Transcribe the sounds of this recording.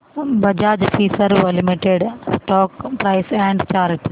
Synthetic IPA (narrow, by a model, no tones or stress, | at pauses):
bɐd͡ʒaːd͡ʒfʰiːsəɾʋəlɪmiʈeːɖsʈɔːkpɾaːɪsɛ̃ːɳɖt͡ʃaːɾɪʈ